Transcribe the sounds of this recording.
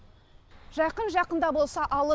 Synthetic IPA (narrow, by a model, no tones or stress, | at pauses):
ʒɑjqənʒɑqənd̪ɑbo̞lˠsɑʔɑlˠə